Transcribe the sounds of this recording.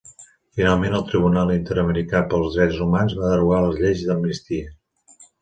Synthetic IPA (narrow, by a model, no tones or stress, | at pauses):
finalˠmenəlˠt̪ɾiβ̞unalˠint̪əɾəməɾikapəlˠzðɾɛzumanzβaðəruɣaləzʎezðəmnist̪iə